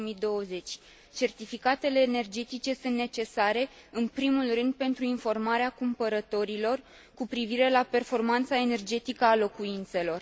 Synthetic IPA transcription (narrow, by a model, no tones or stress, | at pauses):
mid̪o̞wəze̞t͡ʃʲ | t͡ʃe̞rt̪ifikat̪e̞le̞ːne̞rd͡ʒe̞t̪it͡ʃe̞sunt̪ne̞t͡ʃe̞saɾe̞ | ɨnpɾimulrɨnd̪̚pe̞nt̪ɾuinfo̞rmaɾeakumpəɾət̪o̞ɾilo̞r | kupɾiviɾe̞lape̞rfo̞rmant̪sae̞ne̞rd͡ʒe̞t̪ikəalo̞kuint̪se̞lo̞r